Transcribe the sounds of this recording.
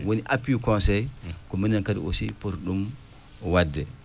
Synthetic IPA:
woniʔapːiukɔnsɛjkɔminːankadḭʔo̰sipoɾɗum | wadːɛ

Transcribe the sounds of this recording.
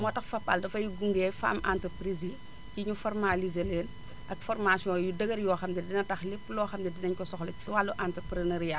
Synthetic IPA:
mɔtɐxfɐpːa̰ldɐfɐjuɡuŋɡeːfa̰ːmʔa̰ːntɐpɾizi | ciɲufɔrmalizeleːn | ʔɐkfɔrmasiɔ̃ːjudɐɡɐɾjɔːxɐmdɛdinɐtɐxlipːlɔːxɐmdɛdinɐɲkɔsɔxlɐci̥swalːuʔantɐpɾeneɾija

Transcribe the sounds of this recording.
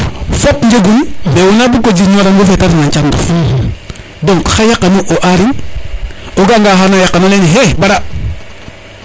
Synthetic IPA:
fotɲd͡ʒeɡunbewunabukod͡ʒiɲoɾaŋɡofetaɾɲat͡ʃando̰ | doŋkxajakːanoʔoʔaɾiŋ | oɡaŋɡaxanojakanoleniɦebaɾa

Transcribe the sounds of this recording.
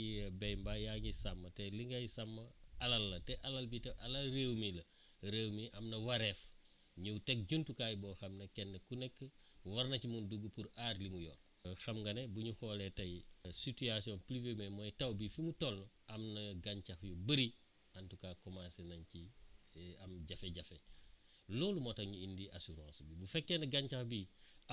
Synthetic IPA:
bɛjmbajaɲisɐmːɐtɛliŋɡɐjisɐmːɐɐlɐlːɐtɛʔɐlɐlbitɛʔɐlɐlreːwmilɐ | ɾewmiʔɐmnɐwɐɾef | ɲuwtɛk̚ɟuntukaːjibɔːxɐmnɐkɛnːəkunɛkːəwɐɾnɐcimunduɡːəpuɾaːrlimujɔːr | xɐmɡɐnebuɲuxɔːletɐjisitiasiɔ̃nplivememɔjtɐwbifimutɔlnɐɐmnɐɡaɲcɐxjubəɾi | ɐntukaːkɔmasenɐɲci | ɐmɟɐfeɟɐfe | loːlumɔtɐŋɲuindiʔasuɾã̰ːsbibufɛkːenɐɡaɲcaxbi

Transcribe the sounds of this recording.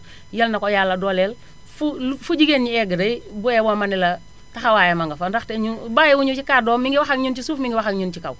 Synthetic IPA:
jɐlnakɔjaːlːadɔːlɛl | fulfuɟiɡenɲiɛɡədɐjbuɛwomanila | taxawaːjamaŋɡafandaxteɲubajɛwuɲut͡ʃikaːdɔːmiŋɡiwaxaŋɲunt͡ʃisuːfmiŋɡiwaxaŋɲunt͡ʃika̰w

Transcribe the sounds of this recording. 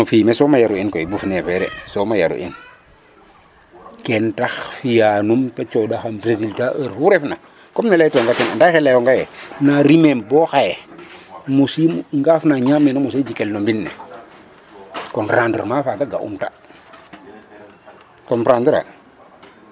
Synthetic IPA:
nɔfimesomajaɾuinkoibufnefɛɾḛsomajaɾṵʔḭn | kentaxfijanumtat͡ʃodaxampɾesiltaʔəɾfuɾefna | kɔmnelajtoŋɡatena̰ndaxelajoŋɡajenaɾimembɔxaje | musimŋɡafnaɲamːenomused͡ʒikelnombinːḛ | kɔnɾaːndə̰ɾmaːfaɡaɡa̰ʔṵmta | kɔnpɾandəɾa̰

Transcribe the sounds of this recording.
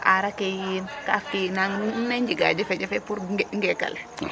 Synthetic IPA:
ʔaɾakejinkafkinanaɲd͡ʒiɡa̰d͡ʒɛfɛd͡ʒɛfɛpuɾŋɡɛka̰l

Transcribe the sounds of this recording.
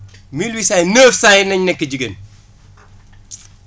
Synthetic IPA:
milwisaːjnəːfsaːjinɐɲnɛkːəɟiɡɐn

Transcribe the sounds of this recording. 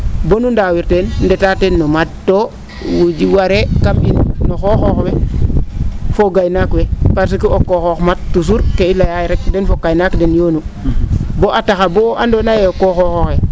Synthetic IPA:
bonundawiɾtenndetatenːomat̚to | wud͡ʒiwaɾekaminːoxoxoxwe | foɡajnakwepaɾs̬ikiokːoxoxmat̚ːus̬uɾkeilːajajeɾekdenfokajnakdenjonu | boʔataxaboandonajeokːoxoxoxe

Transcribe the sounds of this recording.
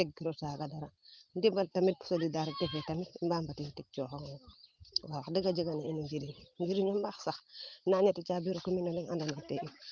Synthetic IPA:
tek̚ɡiɾosaɡadaɾandibaltamit̚pu̥solidaɾitefetamitmbambatitik̚t͡ʃoxoŋ | wakdiɡad͡ʒiɡanainid͡ʒiɾiŋd͡ʒiɾinombaxsaxnaɲetit͡ʃabiɾokuminoliŋa̰ndanateʔi

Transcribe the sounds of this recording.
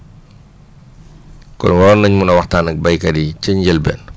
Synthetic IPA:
kɔ̰nwɐɾɔnːɐɲmunɐwɐxtaːnɐk̚bɐjkɐdit͡ʃəɲɟəlbɛ̰ːn

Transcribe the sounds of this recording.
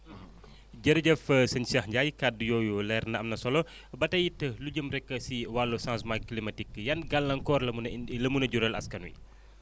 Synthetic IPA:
d͡ʒəɾɐɟəfəsəɲsiɐhɟajkadujɔjulɛrnɐɐmnɐsɔlɔ | bɐtɐjitəluɟəmɾɛkːɐsiwalːosãnsmaklimɐtikːjɐnɡalːɐŋkɔːrlɐləmunɐɟuɾɐlɐ̰skɐnwḭ

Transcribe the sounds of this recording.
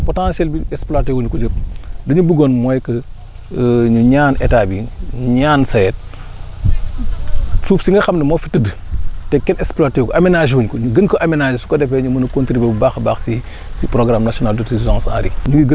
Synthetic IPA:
potãnsɛlbiɛksplatewuɲkud͡ʒəp̚dɐɲubuɡonmɔjkə | ɲuɲaːnʔetaːbiɲuɲaːnsaɛt̚ | suːfsiŋɡɐxamnɐmɔfitːədə | tɛkːɛnɛksplaːtekoʔamenaʒwuɲkoɲuɡənkɔʔamenad͡ʒsu̥kodɛpɛɲumɐnɐkontɾibebubaxbaːxsi | sipɾoɡɾamnasiɔnaldutizãːŋsa̰ːɾḭɲuŋɡiɡə

